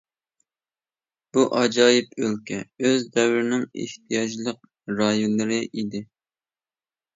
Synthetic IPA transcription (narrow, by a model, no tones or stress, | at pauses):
b̥uʔɑd͡ʒɑːjɪpʰølkʲʰɛøzd̪ɛwɾɪnɪŋḛht̪̚ʰijɑd͡ʒlˠəq̚ | ɾɑjunːˠɨɾɨʔid̪ɪ